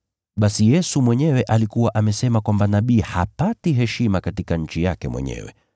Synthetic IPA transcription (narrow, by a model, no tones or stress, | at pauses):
ɓasijɛsumwɛɲɛwɛʔalikuwaʔamɛsɛmakwambanaɓiːha̰patiɦɛʃimakatikaɲ̩t͡ʃijakɛmwɛ̰ɲɛ̰wɛ̰